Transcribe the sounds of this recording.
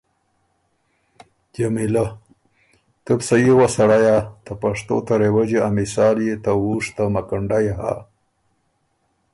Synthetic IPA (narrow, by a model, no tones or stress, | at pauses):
t̪jamila | t̪əpsajewasaɽajat̪əpaʂt̪o̰t̪aɾewəd͡ʑeamisɑːljet̪awuʂt̪amakəɳɖajɦa̰